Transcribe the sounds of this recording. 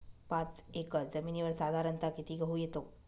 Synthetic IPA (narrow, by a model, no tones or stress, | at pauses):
pãt͡sekəd͡zəmiːniʋəɾsad̪ʱaɾənt̪akit̪ʰiːɡəɦujet̪o